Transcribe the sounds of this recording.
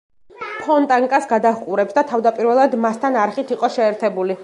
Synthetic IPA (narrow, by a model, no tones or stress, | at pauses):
pʰɔnt̪ʼaŋkʼasɡad̪ahkʼuɾɛpsd̪at̪ʰavd̪apʼiɾvɛlˠad̪mast̪ʰanaɾχit̪ʰiqʼɔʃɛːɾt̪ʰɛbuli